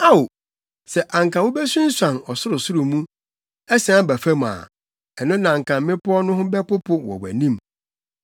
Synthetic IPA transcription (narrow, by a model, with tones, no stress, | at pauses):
a˦wo˨ | sɛ˨ʔã˨ŋ˨kʰã˨wʊ̃˦bɛ˦sũ˦n̩˦sã˨nɔ˨sʊ˦ɾʊ˨sʊ˦ɾʊ˨mũ˦ | ɛ˦sã˦bæ˨fæ˦m˨a̰ː˨ | ɛ˨nʊ̃˦nã˨ŋ̩˨kʰã˨mː˦mɪ̃˦pʰɔ˦ɔ˦nʊ̃˦ɦʊ̃˦bɛ˦pʊ˦pʰʊ˦wɔ̰˨wæ̰˨nĩ˦m